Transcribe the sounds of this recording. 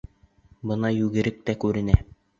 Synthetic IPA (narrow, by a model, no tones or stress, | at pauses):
bɤ̆nɑjʉɡɘ̆ɾɘk̚t̪ækʉɾɘ̆næ